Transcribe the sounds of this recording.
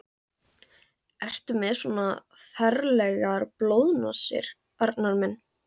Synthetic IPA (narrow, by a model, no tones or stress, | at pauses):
ɛr̥t̪ʏmɛðsɔːnafɛɾlɛɣaɾplowðnɔsɪ̰ɾ̥ | aɾt̪naɾmɛnː